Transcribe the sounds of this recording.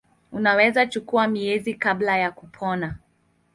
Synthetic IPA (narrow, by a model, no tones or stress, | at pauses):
unawɛzat͡ʃukuamiɛzikablajakupʰɔna